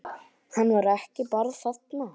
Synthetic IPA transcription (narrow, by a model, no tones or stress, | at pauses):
hanːvaɾɛhcɪpaɾðsat̪na